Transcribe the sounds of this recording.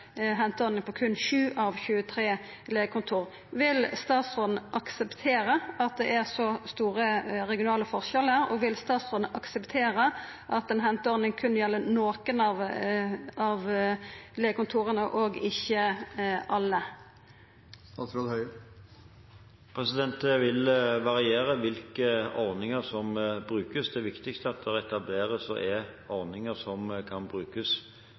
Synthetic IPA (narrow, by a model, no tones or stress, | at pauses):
ɦɛnt̪əɔʁnɪŋpʰɔːkʰʉnʃʉːʔɑʋçʉːət̪ʰʁeː | leːɡəkʊnt̪ʰuːʁ | ʋɪlst̪ɑːt̪sʁoːd̪n̩ʔɑksəpt̪ʰeːʁəʔɑt̪̚d̪ɛ̰ʔæʁsɔst̪uːʁəʁɛɡɪʊnɑːləfɔʁʃɛləʁɔ̰ʋɪlst̪ɑːt̪sʁoːd̪n̩ʔɑksəpt̪ʰeːʁə | ʔɑt̪ɛnɦɛnt̪əɔʁnɪŋkʰʉnjɛlːənoːkənɑʋ | ɑʋ | leːɡkʊnt̪ʰuːʁənəʔoːɡɪçːəʔɑlːə | ɑsɾɔhœ | pʰɾɛsɪd̪ɛnt̪əʋɪlʋɑʁɪeːɾəʋɪlkəɔʁnɪŋəɾsɔmbʁʉːkəsd̪ɛʋɪkt̪ɪkst̪əɑt̪̚d̪ɛɛt̪ɑbleːɾəsɔ̰ʔɛɔʁnɪŋəsɔmkʰɑnbʁʉːkəs